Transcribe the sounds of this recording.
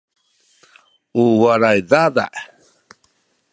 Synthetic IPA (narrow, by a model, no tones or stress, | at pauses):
uwaɾajdada̰ʔ